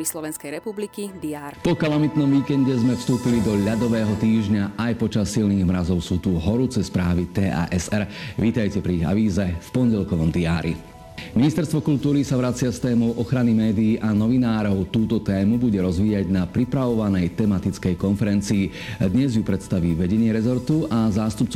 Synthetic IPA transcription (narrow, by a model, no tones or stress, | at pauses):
islɔʋɛnskɛjɾɛpublikid̪iaːpɔkalamit̪nɔmʋiːkɛɲɟɛzmɛfst̪uːpilid̪ɔʎad̪ɔʋɛːɦɔt̪iːʒɲaʔajpɔt͡ʃasːilniːɣmɾazɔʊsuːt̪uɦɔɾut͡sɛspɾaːʋit̪ɛːʔa̰ːʔɛsɛɾʋiːt̪ajcɛpɾiɣa̰ʋiːzɛfpɔnɟɛlkɔʋɔmd̪iaːɾḭ | minist̪ɛɾst̪ʋɔkult̪uːɾisaʋɾat͡sɪast̪ɛːmɔʊʔɔxɾanimɛːd̪iːʔanɔʋinaːɾɔʊt̪uːt̪ɔt̪ɛːmubuɟɛɾɔzʋiːaɟnapɾipɾaʋɔʋanɛjt̪ɛmat̪it͡skɛjkɔnfɛɾɛnt͡siː | d̪ɲɛzjupɾɛt̪st̪aʋiːʋɛɟɛɲɪɛɾɛzɔɾt̪uʔazaːst̪up̚t͡s